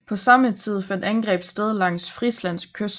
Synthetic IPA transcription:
pʰɒ̽sɑ̈mət͡sʰið̞̰ˠfænd̥ænɡ̥ʁɛ̰ːb̥sd̥eð̞ˠlɑ̈ŋ̰sfʁislæn̰skʰøs

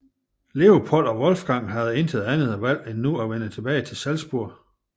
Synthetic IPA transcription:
le̝o̝pʰol̰ɒ̽ʋɒ̽lfɡ̥ɑ̈ŋ̰ɦæð̞̩ˠe̝nt͡sʰeð̩ˠænð̩ˠæʋæl̰enːuæʋenət͡sʰe̝b̥ɛːɪt͡sʰe̝lsælsb̥uɐ̰

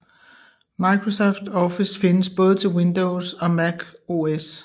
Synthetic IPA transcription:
mɑ̈ɪkʰʁosɒfd̥ɒfisfe̝nəsb̥ɔ̽ːð̞̩ˠət͡sʰe̝lwend̥oʊsɒ̽mæɡ̥o̝es

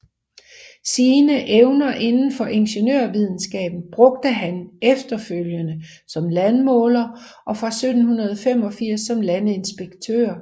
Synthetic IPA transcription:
siːnəʔeʊnɐʔe̝nn̩fɒ̽ʔe̝nɕənøɐʋið̞ˠn̩sɡ̥ɛ̰ːb̥n̩b̥ʁɔ̽ɡ̥̚d̥əɦænefd̥ɐføljənə | sɒ̽mlænmɔ̽ːlɐ | ʔɒ̽fʁɑ̈sød̥n̩hunɐð̞ˠfem̰ɒ̽fiɐ̰sːɒ̽mlænəe̝nsb̥eɡ̥t͡sʰø̰ːɐ

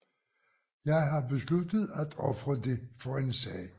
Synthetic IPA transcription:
jɑ̈ɪɦɑ̈be̝slud̥əð̞̩ˠæd̥ɒ̽fʁɐde̝fɒ̽e̝nsɛ̰ː

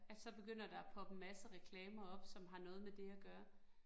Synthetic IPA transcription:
ælsɒ̽b̥e̝ɡ̥øn̰ɐd̥ɑ̈pʰɒ̽b̥əmæsəʁɛkʰlɛːmɐɒ̽b̥sɒ̽mɦɑ̈nɔ̽ːð̞̩ˠmed̥e̝æɡ̥ɶːɐ

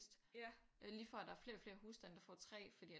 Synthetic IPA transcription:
sd̥ | liːfɒæd̥ɑ̈æɐfle̝ːɐfle̝ːɐɦuːsd̥ænəd̥ɑfɒ̰ːt͡sʰʁɛ̰ːfɒd̥ḭː

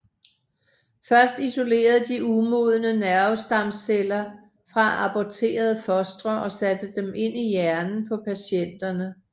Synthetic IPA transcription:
fɶɐsd̥iso̝le̝̰ːɐð̞̩ˠd̥iumo̝ð̞ˠənənæɐʊsd̥ɑ̈mselɐ | fʁɑ̈ɑ̈pɒt͡sʰe̝̰ːɐð̞̩ˠəfɒ̽sd̥ʁɐʔɒ̽sæd̥əd̥eme̝n̰ijæɐnn̩pʰɒ̽pʰæɕen̰d̥ɐnə

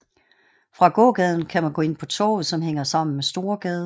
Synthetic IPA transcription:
fʁɑ̈ɡ̥ɔ̰̽ːɡ̥ɛð̞ˠn̩kʰæmænɡɔ̰̽ːe̝npʰɒ̽t͡sʰɔ̰ːð̩ˠsɒ̽mheŋ̰ɐsɑ̈m̰n̩mesd̥o̝ːɐɡ̥ɛːðˠ

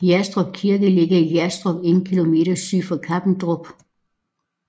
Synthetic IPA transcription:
jæsd̥ʁɔ̽b̥̚kʰiɐɡ̥əle̝ɡ̥ɐijæsd̥ʁɔb̥e̝nn̩kʰilo̝me̝̰ːɾ̥ɐsy̰ːfɒ̽kʰɑb̥n̩d̥ʁɔb̥

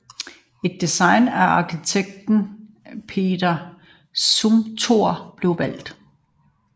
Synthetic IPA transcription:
e̝d̥̚ːisɑ̈ɪnæɐɑ̈kʰit͡sʰeɡ̥̚d̥n̩ | pʰe̝̰ːd̥ɐ | sumt͡sʰo̝ɐ̰b̥le̝ʊʋæl̰d̥

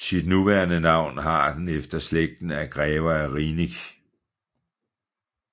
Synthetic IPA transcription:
sid̥nuʋæːɐnənɑ̈ʊ̰nɦɑ̈d̥enefd̥ɐsleɡ̥̚d̥n̩æɡ̥ʁɛːʊɐæʁiːniɡ̥

